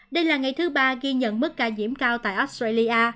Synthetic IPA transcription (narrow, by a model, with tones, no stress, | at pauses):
ɗə˧jlaː˨˩ŋa˨˩jt̪ʰɨ˨˦ɓaː˧ɣi˧ɲə̰˧˨nmɨ˦˥k̚kaː˧zḭ˧˥əmkaː˧wt̪a̰ː˧˨jʔo˦˥st̪ɾa˧jli˧ʔaː˧